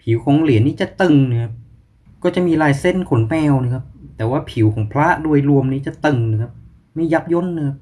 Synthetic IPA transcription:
pʰi˩˦wkʰoː˨˩˦ŋli˨˩˦nːiː˦˥t͡ɕa˨˩t̪ɯ˧˩ŋnɯ˧kʰa˦˧˥p̚ | kɔː˥˩t͡ɕa˨˩ʔmiː˧ɾaː˧jse˥˩nkʰo˩˦npɛː˧wna˧kʰa˦˥p̚t̪ɛː˨˩waː˥˩pʰi˨˩˦wkʰɔː˩˦ŋpʰla˦˥ʔdu˧əjɾu˧əmniː˦˥t͡ɕa˨˩t̪ɯ˧˩ŋnɯ˧˩kʰa˦˥p̚ | ma˥˩ja˦˥p̚jo˦˥˩nː˧kʰa˦˧˥p̚

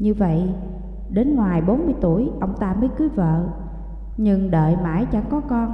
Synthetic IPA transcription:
ɲɨ˧və̰˧˨j | ɗe˨˦nŋwaː˨˩jɓo˨˦nmɨ˧əjt̪u˧˩əjʔə˧wŋ͡mt̪aː˧məː˨˦jkɨ˨˦jvə̰ː˧˨ | ɲɨ˧ŋɗə̰ː˧˨jma̰ː˧˩jt͡ɕa̰˧˩ŋkɔ˨˦kɔ˧n

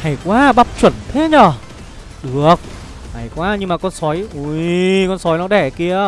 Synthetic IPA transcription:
ha˨˩jkwaː˧ɓa˨˧˥p̚t͡ɕwə̰˧˩nt̪ʰe˨˦ɲɔ˧˩ | ɗɨ˨˩ək̚ | ha˨˩jkwaː˧ɲɨ˧ŋmaː˨˩kɔ˧nsɔ˨˦jʔu˧˦jkɔ˧nsɔ˨˦jlɔ˨˧˦ɗɛ˧˩ki˧ə

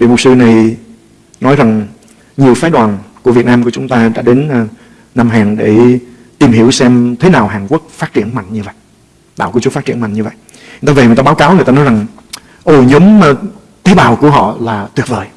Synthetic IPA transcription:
vḭ˧˨mʊ˨˩sɨ˧na˨˩j | nɔ˨˦jza˨˩ŋ | ɲi˨˩əwfaː˨˦jɗwaː˨˩nku˧˩əvət̚naː˧mku˧˩t͡ɕʊ˨˦ŋ͡mt̪aː˧ɗa̰ː˧˥ɗe˨˦n˧ | na˧mɦaː˨˩ŋɗe˧˩ | t̪i˨˩mhi˧˩əwsɛ˧mt̪ʰe˨˦naː˨˩wɦaː˨˩ŋku˦˥ək̚faː˦˥t̚t͡ɕi˧˩ənma̰˧˨jŋɲɨ˧və̰˧˨jʔ | ɗa̰ː˧˩wkt͡ɕu˦˥tfaː˦˥t͡ɕi˧˩əma̰˧˨jɲɨ˧və̰˧˨j | t̪aː˧vt̪aː˧ɓaː˨˦wkaː˨˦wŋ˨˩jt̪aː˧nɔ˨˦za˨˩ŋ | ʔo˨˩ɲə˨˦mː˨˩ | t̪i˨˦ɓaː˨˩wku˧˩əɦɔ̰˧˨laː˨˩t̪wi˨˩ət̚vəː˨˩j

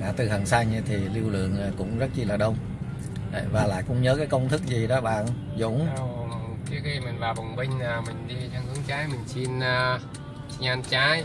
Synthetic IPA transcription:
naː˧˩t̪ɨ˨˩hə˨˩ŋsaː˧ɲɨ˧t̪ʰi˨˩li˧wlɨ̰˧˨əŋʔaː˨˩kʊ̰˧˥ŋ͡mzə˦˥t̚t͡ɕi˦˧˥laː˨˩ɗə˧wŋ͡m | a̰˧˨˩jvaː˨˩la̰ː˧˨jkʊ̰˧˥ŋ͡mɲəː˨˦kaː˨˦jkə˧wŋ͡mt̪ʰɨ˦˥k̚zi˨˩ɗɔ˨˦ɓa̰ː˧˨n | zʊ̰˧˥ŋ͡mfi˨˦əki˧mï˨˩ŋ̟vaː˨˩vʊ˨˩ŋ͡mɓï˧ŋ̟aː˨˩mï˨˩ŋ̟ɗi˧zɨ˧˦ŋʔɨ˧˦əŋt͡ɕaː˨˦jmï˨˩ŋ̟si˧nː˧ | si˧nʔa˧nt͡ɕaː˨˦j

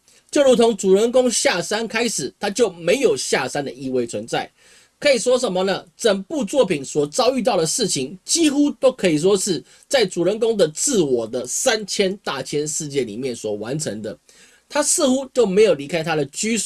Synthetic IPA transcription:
t͡ɕjo˥˩ʊɻu˧˥t͡sʰo˧˥ŋt͡su˨˩ɻə˧˦˥nkʊ˥ŋɕja˥˩sa˥nkʰa˥ɪʂɻ̩˨˩t̪ʰa˥t͡ɕjo˥˩ʊme˧˥ɪjo˨˩ʊɕja˥˨˩sa˥˦nd̪ə˨i˥˧we˥˩ɪt͡sʰwə˧˦nt͡sa˥˩ɪ | kʰɤ˧˦˥i˨˩ʂwɔ˥ʂ̬ə˧˦nmə˧nə˨t͡sə˨˩ŋpu˥˧t͡swɔ˥˩pʰi˨˩nswɔ˨˩t͡sɑ˥ʊy˥˧t̪ɑ˥˩ʊd̪ə˩ʂɻ̩˥˩t͡ɕʰi˧˦ŋt͡ɕi˦˥xu˥t̪o˥ʊkʰɤ˧˥i˨˩ʂ̬wɔ˥ʂɻ̩˥˩ | t͡sa˥˩ɪt͡su˨˩ɻə˧˥nk̬ʊ˥ŋd̪ə˨t͡sɹ̩˥˩wɔ˨˩d̪ə˦sa˦˥nt͡ɕʰjɛ˥nt̪a˥˨t͡ɕʰjɛ˥nʂɻ̩˥˧t͡ɕjɛ˥˩li˨˩mjɛ˥˩nswɔ˨˩wa˧˦nʈ͡ʂʰə˧˦˥ŋd̪ə˨ | t̪ʰa˥s̩˥˨xu˦t͡ɕjo˥˩ʊme˧˥ɪjo˨˩ʊli˧˥kʰa˥ɪt̪ʰa˥d̪ə˨t͡ɕy˥s

